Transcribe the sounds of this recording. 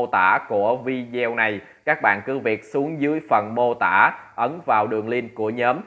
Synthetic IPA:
o˧t̪a̰ː˧˩ku˧˩əvi˧zɛ˧wna˨˩j | kaː˦˥k̚ɓa̰ː˧˨nkɨ˨˦vi˨˩ət̚su˨˦əŋzɨ˨˦əjfə˨˩nmo˧t̪a̰ː˧˩ʔə˨˦nvaː˨˩wɗɨ˨˩əŋli˧nku˧˩əɲəː˨˦m

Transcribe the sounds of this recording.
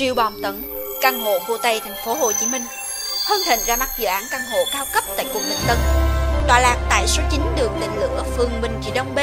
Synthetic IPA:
t͡ɕḭ˨˧˩əwɓɔ˨˩mt̪ə˧˩n | kaː˧˩ŋɦo̰˧˨kṵ˧˩t̪ə˧˩jt̪ʰa˨˩jŋ̟fo˨˦ɦo˨˩t͡ɕi˨˦mï˧ŋ̟ | həː˧nhḛ˧˨ŋ̟zaː˧ma˦˥t̚zɨ̰ː˧˨ʔaː˨˦nkaː˧ŋɦo̰˧˨kaː˧wkə˦˥p̚t̪a̰ː˧˨jku˨˩ək̚ɗḭ˧˨˩nt̪ə˧nɗ̪wa̰ː˧˩laː˨˩k̚t̪a̰ː˧˨jso˨˦t͡ɕï˨˦ŋ̟ɗɨ˨˩ək̚lḭ˧˨ŋ̟lɨ̰˧˨əfɨ˨˩əŋɓï˨˩ŋ̟t͡ɕḭ˧˩ɗə˧wŋ͡mɓe˧

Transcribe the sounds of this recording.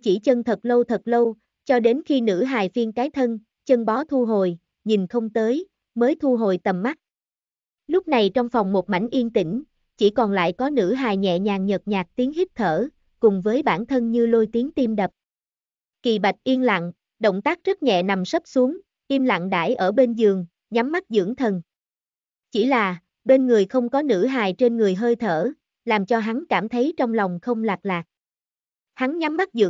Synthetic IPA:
t͡ɕi˧˩t͡ɕə˧nt̪ʰə˨˩t̚lə˧wt̪ʰə˨˩t̚lə˧w | t͡ɕɔ˧ɗe˨˦nxi˧nɨ̰˧˥ɦaː˨˩jfi˧ənkaː˨˦jt̪ʰə˧n | t͡ɕə˧nɓɔ˨˦t̪ʰu˧ɦo˧˨j | ɲi˨˩nxə˧wŋ͡mt̪əː˨˦j | məː˨˦jt̪ʰu˧ɦo̰˧˨jt̪ə˨˩mːa˦˥t̚ | lʊ˦˥k͡p̚na˨˩jt͡ɕɔ˧wŋ͡mfɔ˨˩wŋ͡mmo˨˩t̚ma̰˧˩jŋ̟ʔi˧ənt̪ï˧˩ŋ̟ | t͡ɕi˧˩kɔ˨˩nla̰ː˧˨jkɔ˨˦nɨ̰˧˥ɦaː˨˩jɲɛ̰˧˨ɲaː˨˩ŋɲə˨˩t̚ɲaː˨˩k̚t̪i˨˦əŋhi˦˥k̚t̪ʰəː˧˩ | kʊ˨˩ŋ͡mvəː˨˦jɓaː˧˩nt̪ʰə˧nɲɨ˧lo˧jt̪i˨˦əŋt̪i˧mɗə˨˩p̚ | ki˨˩ɓa˨˩jk̚ʔi˧ənla̰˧˨ŋ | ɗə̰˧˨wŋ͡mt̪aː˦˥k̚zə˦˥t̚ɲɛ̰˧˨na˨˩msə˦˥p̚su˨˦əŋ | ʔi˧əmla̰˧˨ŋɗa̰ː˧˩jʔəː˧˩ɓe˧nzɨ˨˩əŋ | ɲa˨˦mːa˦˥t̚zɨ̰˧˥əŋt̪ʰə˨˩n | t͡ɕi˧˩laː˨˩ | ɓe˧nŋɨ˨˩əjxə˧wŋ͡mkɔ˨˦nɨ̰˧˥ɦaː˨˩jt͡ɕe˧nŋɨ˨˩əjɦəː˧jt̪ʰəː˧˩ | laː˨˩mt͡ɕɔ˧ɦa˨˦ŋkaː˧˩mt̪ʰə˨˦jt͡ɕɔ˧wŋ͡mla˨˩wŋ͡mxə˧wŋ͡mlaː˨˩k̚laː˨˩k̚ | ha˨˦ŋɲa˨˦mːa˦˥t̚zɨ̰˧˥

